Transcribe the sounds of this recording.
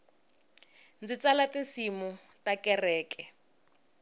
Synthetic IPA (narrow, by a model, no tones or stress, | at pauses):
nd͡zit͡salatinsimutakɛrɛːkɛ